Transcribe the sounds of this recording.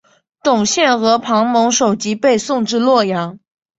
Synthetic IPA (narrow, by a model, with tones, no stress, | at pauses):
t̪ʊ˨˩ŋɕjɛ˥˩nxɤ˧˥pʰɑ˧˥ŋmɤ˧˥ŋʂo˨˩ʊt͡ɕi˧˥pe˥˧ɪsʊ˥˧ŋʈ͡ʂɻ̩˥˧lwɔ˥˩jɑ˧˥ŋ